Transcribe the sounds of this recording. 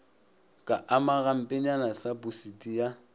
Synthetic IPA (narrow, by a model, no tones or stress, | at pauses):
kʼaʔamaɣam̩pʼɪɲanasabusitija